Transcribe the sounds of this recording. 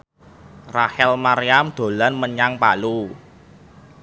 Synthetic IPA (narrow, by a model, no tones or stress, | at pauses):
rahɛlmaɾijamd̪̥o̤lanməɲaŋpa̰lu